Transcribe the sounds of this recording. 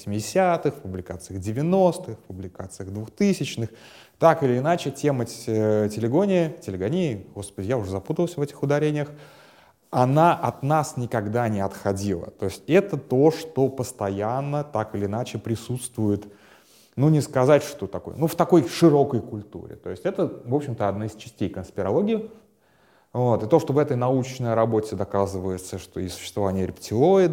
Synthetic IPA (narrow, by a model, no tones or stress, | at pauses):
əsʲmʲɪdʲɪsʲat̪ɨxfpʊblʲɪkat̪sɨjəɣdʲɪvʲɪno̞st̪ɨxfpʊblʲɪkat̪sɨjəɣd̪vʊxt̪ɨsʲɪt͡ɕnɨx | t̪akɨlʲɪːnat͡ɕɪtʲe̞mətʲɪlʲɪɡo̞nʲɪjətʲɪlʲɪɡɐnʲiɡo̞spədʲɪjaʊʐɛzɐput̪əlˠsʲvɛtʲɪ̥xʊd̪ɐɾʲenʲɪjəx | ɐnaʔɐt̪nasnʲɪkɐɡd̪anʲɪɐt̪xɐdʲilˠə̰t̪o̞ɪsʲtʲɛt̪ət̪o̞ʂt̪o̞pəst̪ɐjanːət̪akɨlʲɪːnat͡ɕɪpɾʲɪsut̪st̪vʊjɪt̪ | nunʲɪskɐzatʲʂt̪ot̪ɐko̰jə̰nuft̪ɐko̞jʂɨɾo̞kəjkʊlʲt̪ṵɾʲɪ̰t̪o̞̰ɪsʲtʲɛt̪əvo̞pɕːɪmt̪əɐd̪naɪst͡ɕɪ̥sʲtʲejkənspʲɪɾɐlˠoɡʲɪjʊ | vo̞t̪ɨt̪o̞ʂt̪o̞vɛt̪əjnɐut͡ɕnəjɾɐbo̞tʲɪd̪ɐkazɨvəjɪt̪səʂt̪o̞isʊ̥ɕːɪ̥st̪vɐvanʲɪjəɾʲɪpʲtʲɪlˠoɪd̪